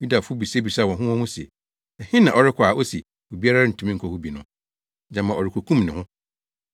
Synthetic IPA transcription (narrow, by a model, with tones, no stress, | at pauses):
ju˦da˨fʊ˦bi˨se˦bi˨sa˦˨wɔ̃˨ɦʊ̃˦wɔ̃˦hʊ̃˦si˨ḛ˨ | ɛ˨hɪ̃˦nã˨ʔɔ˦ɾɪ˦kʰʊ˨a˨ʔo˦si˨ | o˨bi˦a˦ɾa˦ɪ˦n̩˨tʰũ˨mĩ˦ŋ̩˨kʰɔ˨hu˦bi˨nʊ̃˦ | d͡ʑã˨mã˨ɔ˨ɾɪ˨kʰu˨kʰũ˦mnɪ̃˨hʊ̃˦